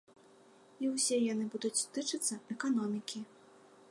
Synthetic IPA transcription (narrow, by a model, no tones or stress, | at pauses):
iwsʲɛjanɨbud̪ut͡sʲt̪ɨt͡ʂɨt̪sːɐɛkanɔmʲikʲi